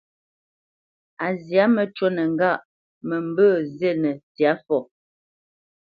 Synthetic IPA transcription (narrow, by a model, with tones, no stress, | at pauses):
a˨zja˨˦mə˨t͡ʃwo˦nə˨ŋ˦ɡa˦˨ʔ | mə˨m˦bəː˦˨ze˦˨nə˨tja˨˦fɔ˨